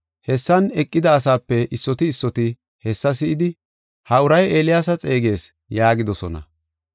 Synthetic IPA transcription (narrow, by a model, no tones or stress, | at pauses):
hɛsːɐnɛkʼːɪd̪ɐːsaːpːɛʔɪsːɔt̪ɪːsːɔt̪ɪ | hɛsːɐsɪʔɪd̪ɪ | hɐʊɾɐje̞ːlɪjaːsɐt͡sʼe̞ːɡe̞ːs | jaːɡɪd̪ɔsɔnɐ̰